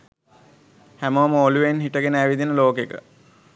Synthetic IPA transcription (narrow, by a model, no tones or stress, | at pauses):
hæməʋəməoluʋenɦiʈəɡenəæʋid̪inəloːkekə̰